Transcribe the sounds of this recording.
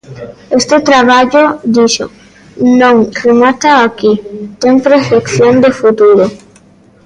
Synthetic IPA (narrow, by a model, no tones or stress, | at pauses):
est̪ɪt̪ɾaβaʎod̪iʃo̰ | nõŋremat̪aakit̪eŋpɾefekθjõnd̪efut̪uɾo